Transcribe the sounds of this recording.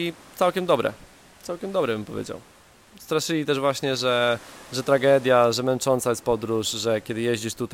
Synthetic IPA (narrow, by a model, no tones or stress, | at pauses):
it̪sawkʲɛmd̪ɔbɾɛ̰ | t̪sawkʲɛmd̪ɔbɾɛbɘmpɔvʲjḛd͡ʑa̰w | st̪ɾaʂɘlʲit̪ɛʐvwaɕɲɛʐɛʐɛt̪ɾaɡɛd̪ʲjaʐɛmɛnt͡ʂɔnt̪sajɛst̪̚pɔd̪ɾuʂʐɛkʲɛd̪ɘjeʑd͡ʑiʂt̪ut̪